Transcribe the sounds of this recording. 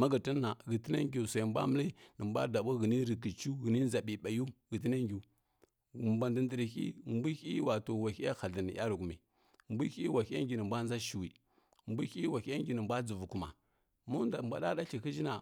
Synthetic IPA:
ma˦ɡə˨tə˦a˨ɣə˨ti˦na˦ŋɡʲu˨sa˨m˦bʷa̰˦mə˦li˦nə˨mbʷa̰˦da˨ɓu˦ɣə˨ni˦ɾi˨ki˨t͡ʃu˦ɣə˨ni˦n˦za˨ɓi˨ɓa˨ju˦ɣi˨ti˦na˦ŋɡʲu˨ | mba˨ndə˨ndə˨ɾi˨xḭ˦˨mbi˦xi˦wa˨to˨wa˨xi˦a˦xa˨ɮə˨ni˨ja˦ɾu˨ɡu˨mi˨ | mbu˦xi˦wa˨xa˦ŋɡʲi˨nə˨mbʷa˦n˦za˦ʃi˨wi˨ | mbu˦i˦wa˨˦ja˦ŋ˦ɡʲi˨nə˨mbʷa˦d͡zu˨vu˨ku˨ma̰˨ | mu˦n˦a˨mbʷa̰˨ɗa˦da˦ɬi˨ki˦d͡ʒi˦na˨

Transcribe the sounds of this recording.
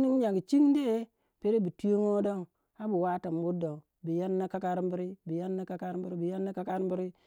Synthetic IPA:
ni˦ɲa˨ɡi˨t͡ʃi˦ŋ˦de˦ | pe˦ɾe˦bi˨tu˦jo˦ŋo˦do˦ŋ | a˦bu˨wa˦ta˨m˨bu˦do˨ | bi˨ja˦nːa˦ka˦ka˦ɾm˦bi˦ɾi˦bi˨ja˦nːa˦ka˦ka˦ɾbi˦ɾi˦bi˨ja˦nːa˦ka˦ka˦ɾbi˦ɾi˦

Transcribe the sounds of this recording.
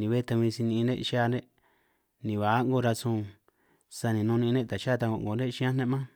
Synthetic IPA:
nĩ˨βe˦˧t̪a˧ĩ˧si˧nĩ˧nḛ̃˦ʃa˦˧ne˦ | nĩ˨βa˨˦ŋɡo˦˧ɾa˧sũ˧ | sa˧nĩ˨nũ˧nĩ˧nẽ˦t̪a˨ʃa˦˧t̪a˧o˧˨ŋɡo˨nẽ˦ʃĩ˦ã˦nẽ˦mã˦

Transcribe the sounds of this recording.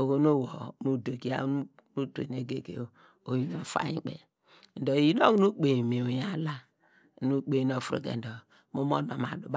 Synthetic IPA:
o˨ko˦no˦wo˨mu˦do˨ki˦a̰˦ | nu˦tḛ˨ne˦ɡe˨ɡe˨ | o˨ji˦no˦fa̰˦i˦k͡pḛ˨ | n̩˨do˨ji˦no˦knu˦k͡pe˨me˨o˨ja˦la˦˨ | nu˦k͡pe˨˦no˦˨fɾo̰˨ɡḛ˨n̩˨do˨ | mu˦mo̰˦no˨ma˨du˨b

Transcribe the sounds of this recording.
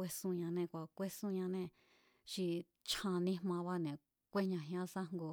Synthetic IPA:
e˦sũ˧ɲã˧nẽ˧kʷa˨kʷe˦sũ˧ɲã˧nẽ˧ | ʃi˧ | t͡ʃʰã˧nĩ˧˦mã˧βa˦nẽ˨ | kʷe˦ɲã˧˨ɦã˦sa˦ŋɡo˧˨

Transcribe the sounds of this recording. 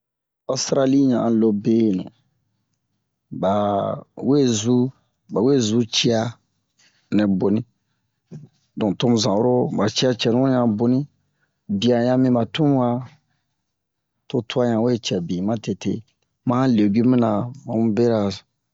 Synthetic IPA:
o˦stɾa˦li˦ɲã˨lo˧be˦˨nɛ̰˨ | ba˨we˦zu˦ | ba˨we˦˨zu˦t͡ʃi˦a˧ | nɛ̃˨bo˨nĩ˦ | dɔ̃˨to˦mũ˨zã˨wo˦ɾo˦ba˨t͡ʃi˦a˦t͡ʃɛ˨nũ˦ɲã˧bo˨nĩ˦ | bi˨a˨jã˧mĩ˦ba˨tũ˦m˦wa˦ | to˧tu˦a˦ɲã˨we˦˨t͡ʃɛ˨bĩ˨mã˦te˨tḛ˦˨ | mã˦le˨ɡi˦mĩ˦nã˨mã˨mũ˦be˦ɾa˨

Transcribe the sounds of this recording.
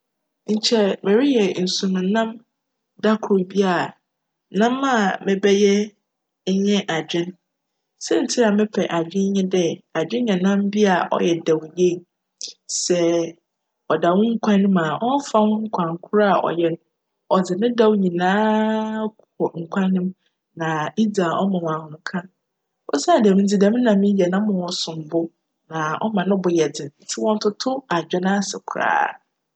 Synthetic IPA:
ɲ̩˨t͡ɕʰɛ˨mɛ̃˨ɾi˦jɛ˨n̩˨sũ˨m̃˨nã˦m | da˦kʰʊ˨bi˦a˨ | nã˦mã˦˨mɪ̃˨bɛ˦jɛ˦ | ɲ̩˦ɲɛ̃˦ʔa˨d͡ʑᶣɪ̃˦n | sɛ˦n̩˨tʰɪ˦a˨mɪ̃˦pʰɛ˨ʔa˨d͡ʑᶣɪ̃˦ɲ˦ɲɛ̃˦dɛ˦a˨d͡ʑᶣɪ̃˦ɲã˨nã˦mbi˦a˨ʔɔ̰˦jɛ˨da˨wje˦˨ | sɛ˨ | ɔ˨da˨wʊ̃˦ŋ̩˦kʷʰã˦nʊ̃˦ma˨ʔɔ˦fa˦hʊ̃˦ŋ̩˦kʷʰã˨ŋ˨kʰʊ˦ɾa˦a˨ʔɔ̰˨jɛ˦ñ˦ | ɔ˨d͡zɪ˨nɪ̃˦da˨wɲĩ˨nãː˦ | ɔ˨ŋ̩˨kʷʰa˦nɪ̃˦m | nã˨i˦da˨ʔɔ˦mã˨w̃ã˨hʊ̃˨ŋ˦kʰã˦ | ɔ̰˦sa˨dɛ˨m̃˨n̩˦d͡zi˨dɛ̃˨˦m̃˦nã˨mĩ˦jɛ˨nã˦mʊ̃˨wɔ˨sʊ̃˨m˨bʊ˦ | nã˨ɔ̰˦mã˨nʊ̃˦bʊ˨jɛ˨dɪ˨n̩˨tʰɪ˦wɔ̃˦n˦tʰʊ˦tʰʊ˦a˨d͡ʑᶣɛ˦nã˦˨sɛ̰˨kʰʊ˨ɾa̰ː˦˨

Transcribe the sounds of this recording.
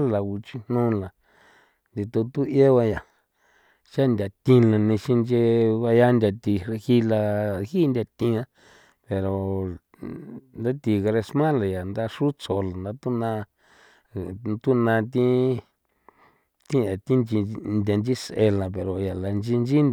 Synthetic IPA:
la˨u˧t͡ʃi˧nnũ˦la˨ | nd̪i˧t̪o˧t̪u˦je˦βa˧ja˨ | t͡ʃa˦nd̪ʲa˨t̪ĩ˧lã˧nĩ˧ʃi˧nd͡ʒe˧βa˧ja˦ndʲa˧t̪i˧e˧hi˦la˧hi˦nd̪ʲa˧t̪ĩ˧ã˧ | pe˨ɾo˨ | nd̪a˦t̪i˧ɣa˧ɾe˧smã˦la˨ja˨nd̪a˦˧ʂu˦t͡so˧la˨nd̪a˧t̪u˦nã˧ | t̪u˦nã˧t̪ĩ˦ | t̪ĩ˦a˨t̪i˦nd͡ʒi˧nd̪ʲa˧nd͡ʒi˦se˧la˨pe˨ɾo˨ja˨la˨nd͡ʒi˧nd͡ʒi˦n

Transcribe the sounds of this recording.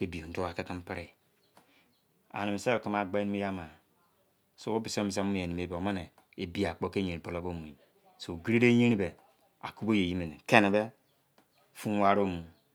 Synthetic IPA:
ke˦bi˨o˨n̩˦to˦wa˨ke˦ki˦m˦pi˦ɾi˦ | a̰˨ni˨mi˨se˦˨ki˦ma˨ɡ͡ba˦ni˦mi˦ja˦ma˨ | so˦o˦bi˨so˦mi˨s̬a˦mu˦˨e˨ni˨me˨be˨o˨ma˦ne˨ | e˨bi˦a˨k͡po˦ke˦ɲe˨ni˨po˨lo˦bo˦˨mu˨i˨ | so˨ɡi˦ɾi˦ɾe˦je˦ɾi˦be˨ | a̰˨ku˦bo˦je˨ji˦me˨ne˨ke˦ne˨be˦ | fu˦wa˦ɾo˦mu˨

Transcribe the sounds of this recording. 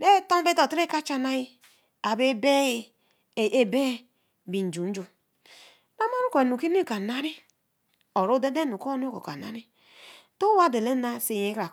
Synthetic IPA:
ne˦to˦be˦to˨tɾe˦ka˦t͡ʃa˦na˦ji˦ | a˨be˦be˦j | e˦be˦˨ | bi˨n̩˨d͡ʒu˨n̩˦d͡ʒo˨ | na˦ma˦ɾu˦ko˨e˨nu˨ki˦n˦i˦˨ka˨na˦ɾi˦ | o˨ɾo˦de˦de˦nu˨ko˦n˦ko̰˨ka˨na˦ɾi˦ | to˦wa˦de˨le˦na˦˨se˨je˨˦kɾa˨

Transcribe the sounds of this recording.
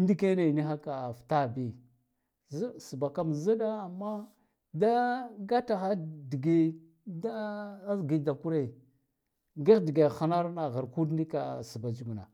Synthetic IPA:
di˦ke˦ne˨ni˦xa˦ka˨fta˦bi˦ | zsi˨ba˨ka˦mza˦da˦a˨mːa˦ | da˦ɡa˦ta˨xa˦di˨ɡe˦ | da˦zɡi˨da˨ku˦ɾe˦˨ | ɡe˦xdi˨ɡe˨xa˦na˦ɾna˨ɣa˨ɾku˦dni˦ka̰˨si˨ba˨d͡ʒu˦˨ɡu˨na̰˨

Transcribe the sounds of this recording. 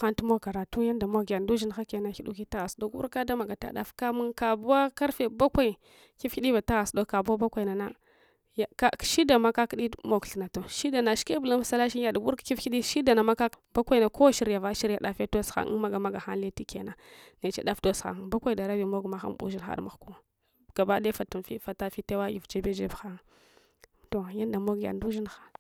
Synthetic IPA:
xa˦ntmo˦ɡa˨ɾa˨tu˦ja˦nda˨mo˦ɡja˨ndu˦ʒi˦nxa˦ke˨na˦xi˦ɗu˦ki˦ta˦ɣa˨sdo˦ɡu˦ɾka˦da˦ma˨ɡa˨ta̰˨da̰˨fka˦mu˦nka˨bu˦a˦ka˦ɾfe˨ba˦kʷa˦i˨ | ki˦fki˦ɗi˦ba˨ta˦ɣa˨sdo˦ka˨ba˦ba˦kʷa˨i˨na˨na˦ | ja˨ka˦˨ʃi˦da˨ma˦ka˦kɗi˦mo˦kɬna˨to˨ʃi˦da˨na˨ʃke˦bu˨la˦m˦sa˦la˦ʃi˦n˦ja˨dɡu˦ɾkki˦fki˦ɗi˦ʃi˦da˨na˨ma˦ka˦ba˦kʷa˦i˨na˨ko˦wʃi˦ɾja˨va˦ʃi˦ɾa˨ɗa˨fe˦to˦sxa̰˨ŋ̰˦ma˦ɡa˨ma˦ɡa˨xa˦n˦le˦ti˦ke˨na˨ne˨t͡ʃḛ˦ɗa˦fdo˦sxa̰˨ŋ˨ba˦kʷa˦i˨da˨ɾa˦vi˨mo˦ɡma˨xa̰˦m˦bṵ˦ʒi˦nxa̰˨ɾma˨ku˦ | ɡ̥a˨ba˦de˦fa˨tu˨fḭ˦fa˨ta˦fi˦te˦wa˦ji˨vd͡ʒe˦be˦d͡ʒe˦bxa˦ŋ˨ | to˨ja˦n˦da˨mo˦ɡja̰˨ndu˦ʒi˦nxḁ˨

